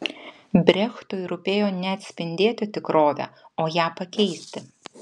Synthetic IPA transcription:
bʲɾʲɛxt̪ʊjɾʊpʲeːjoːnʲɛɐt̪ʲsʲpʲɪnʲd̪ʲeːt̪ʲɪt̪ʲɪkɾoːʋʲɛ̰oːjæːpɐkʲɛɪsʲt̪ʲɪ

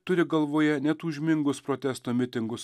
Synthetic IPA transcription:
t̪ʊɾʲɪɡɐlˠʋoːjɛnʲɛt̪uːʒʲmʲɪŋɡʊspɾoːt̪ʲɛst̪oːmʲɪt̪ʲɪŋɡʊs

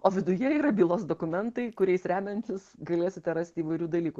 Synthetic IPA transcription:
oːʋʲɪd̪ʊjɛiːɾɐbʲiːlˠoːsd̪oːkʊmʲɛnt̪ɐɪkʊɾʲɛɪsɾʲæːmʲɛnʲt͡ʃʲɪsɡɐlʲeːsʲɪt̪ʲɛɾɑːsʲt̪ʲiːʋɐɪɾʲuːd̪ɐlʲiːkʊ

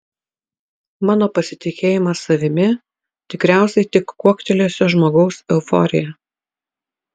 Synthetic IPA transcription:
mɑːnoːpɐsʲɪt̪ʲɪkʲeːjɪmɑsɐʋʲɪmʲɪ | t̪ʲɪkɾʲæˑʊsʲɛɪt̪ʲɪkːuɔkʲt̪ʲɛlʲiːsʲoʒmoːɡɒʊsɛʊfɔ̰ɾʲɪ̰jɛ

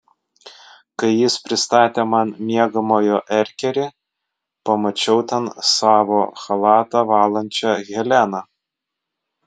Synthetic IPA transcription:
kɐɪjɪspʲɾʲɪst̪ɑːt̪ʲeːmɑnmʲiɛɡɐmoːjoʔɛɾʲkʲɛɾʲɪ | pɐmɐt͡ʃʲɛʊt̪ʲɛnsɑːʋoːxɐlˠɑːt̪ɐʋɑːlˠɐnʲt͡ʃʲɛɣʲɛlʲænɐ

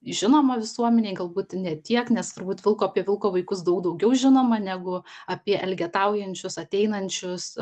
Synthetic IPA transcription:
ʒʲɪnoːmɐʋʲɪsuɔmʲɛnʲeːɪɡɐlˠbuːt̪nʲɛt̪ʲiɛknʲɛst̪ʊɾbuːt̪ʋʲɪlˠkoːɐpʲiɛʋʲɪlˠkoːʋɐɪkʊsd̪ɐʊkd̪ɐʊɡʲɛʊʒʲɪnoːmɐnʲæːɡʊɐpʲiɛʔɛlʲɡʲɛt̪ɑʊjɛnʲt͡ʃʲʊsɐt̪ʲɛɪnɐnʲt͡ʃʲʊs

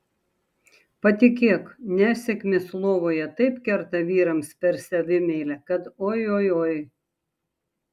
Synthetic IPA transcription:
pɐt̪ʲɪkʲeːknʲæːʃsʲɛkʲmʲɪslˠoːʋoːjɛt̪ɐɪpkʲɛɾt̪ɐʋʲiːɾɐmspʲɛɾsʲɛʋʲɪmʲɛɪlʲɛkɐt̪oːjoːjoːj

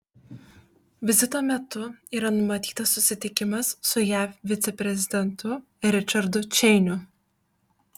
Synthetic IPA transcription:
ʋʲɪzʲɪt̪oːmʲɛt̪ʊiːɾɐnʊmɐt̪ʲiːt̪ɐsːʊsʲɪt̪ʲɪkʲɪmɐssʊjæːfʲʋʲɪt̪sʲɛpʲɾʲɛzʲɪd̪ʲɛnt̪ʰʊ | ɾʲɪt͡ʃʲɐɾd̪ʊt͡ʃʲɛɪnʲʊ

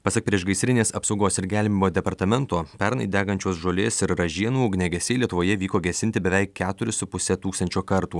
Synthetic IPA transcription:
pɐsʲɐk̚pʲɾʲiɛʃɡɐɪsʲɾʲɪnʲeːsɐpsɒʊɡoːsɪɾɡʲæːlʲmʲiːmoːd̪ʲɛpɐɾt̪ɐmʲɛnt̪oːpʲɛɾnɐɪd̪ʲæːɡɐnʲt͡ʃʲoːsʒoːlʲeːsɪɾɾɐʒʲiɛnuːɡnʲɛɡʲɛsʲeːlʲiɛt̪ʊʋoːjɛʋʲiːkoːɡʲɛsʲɪnʲt̪ʲɪbʲɛʋʲɛɪkʲːæːt̪ʊɾʲɪsʊpʊsʲɛt̪uːkst̪ɐnʲt͡ʃʲoːkɐɾt̪uː

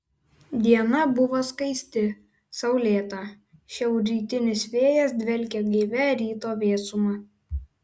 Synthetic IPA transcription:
d̪ʲiɛnɐbʊʋoːskɐɪsʲt̪ʲɪ | sɐʊlʲeːt̪ɑ | ʃʲɛʊɾʲiːt̪ʲɪnʲɪsʋʲeːjɛsd̪ʲʋʲɛlʲkʲɛɡʲiːʋʲɛɾʲiːt̪oːʋʲeːsʊmɑ

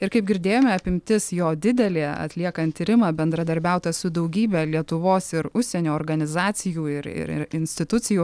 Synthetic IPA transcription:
ɪɾkɐɪp̚ɡʲɪɾʲd̪ʲeːjoːmʲɛɐpʲɪmʲt̪ʲɪsjoːd̪ʲɪd̪ʲɛlʲeːɐ̰t̪ʲlʲiɛkɐnt̪t̪ʲːiːɾʲɪmɐːbʲɛnd̪ɾɐd̪ɐɾʲbʲɛˑʊt̪ɐsʊd̪ɒʊɡʲiːbʲɛlʲiɛt̪ʊʋoːsɪɾʊʃʲsʲɛnʲoːɔːɾɡɐnʲɪzɑːt͡ssʲɪjuːɪɾɪ̰ɾɪ̰ɾɪnʲsʲt̪ʲɪt̪ʊt͡s̪ʲɪjuː

